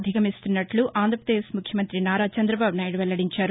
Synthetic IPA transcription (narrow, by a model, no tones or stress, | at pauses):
d̪ʱikɐmist̪unːɐʈluʔaːnd̪ɾɐpɾɐd̪eːʃmukʰjɐmɐnt̪ɾinaːɾaːt͡ʃɐnd̪ɾɐbaːbunaːjiʈʋɛlːɐɽiɲt͡ʃaːɾ